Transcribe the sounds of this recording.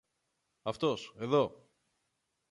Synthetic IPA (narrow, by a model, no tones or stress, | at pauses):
ɐft̪o̞se̞ðo̞